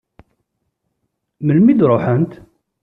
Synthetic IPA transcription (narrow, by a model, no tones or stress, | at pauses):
məlmid̪ɾˤoħənt̪